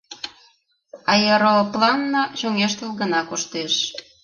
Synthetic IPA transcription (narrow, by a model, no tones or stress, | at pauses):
ɑjeɾoplɑnːɑɕoŋeʃt̪əlɣə̆nɑkoʃt̪eʃ